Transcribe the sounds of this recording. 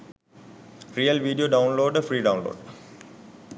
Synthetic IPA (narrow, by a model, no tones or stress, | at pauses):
ɾiːəlʋiːɖijoːɖãʊ̃nloːɖəfɾiːɖãʊ̃nlo̰ːɖ